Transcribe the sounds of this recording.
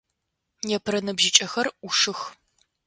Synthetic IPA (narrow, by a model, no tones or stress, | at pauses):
jɛpʰɨɾɐnɨbʒɪt͡ʃʼɐxɐruʂɨx